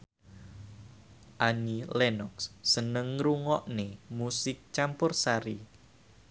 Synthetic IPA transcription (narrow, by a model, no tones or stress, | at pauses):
ʔaɲilɛnɔkssənəŋɾuŋɔʔnemusɪk̚t͡ʃampʊrsaɾi